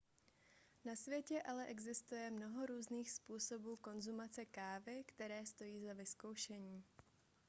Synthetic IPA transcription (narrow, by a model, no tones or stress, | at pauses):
nasvjɛcɛʔalɛʔɛɡzɪst̪ujɛmno̞ɦo̞ɾuːzniːxspuːso̞buːko̞nzumat͡sɛkaːvɪkt̪ɛɾɛːst̪o̞jiːzavɪsko̞wʃɛɲiː